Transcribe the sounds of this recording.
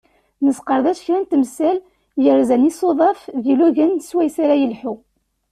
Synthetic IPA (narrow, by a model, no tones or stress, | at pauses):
nəsqəɾˤðæʃçɾænt̪msæl | jəɾzænisoðˤɑfðiluʝənswæjsaɾajəlħu